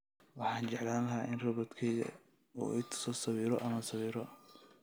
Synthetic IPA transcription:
wɑħɑːnt͡ʃɛʕlaːnlɐɦaːʔɪnrɐβɔd̪kʰɛjðɐ̰ | ṵːɛjt̪ʰʊ̥sɔsɐβiːɾɔʔɐmɐsɐβiːɾɔ

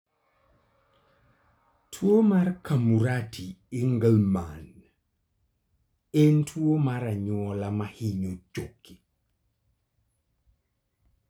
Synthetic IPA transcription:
tʰwomarkʰamuɾatʰiːŋɡəlman | entʰwomaɾaɲɔlamahiɲod͡ʒokʰːi

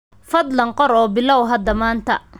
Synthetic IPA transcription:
fɐd̪lɐɴqɔɾɔːbɪlɔwɦɐd̪ɐmaːnt̪ʰɐ̰

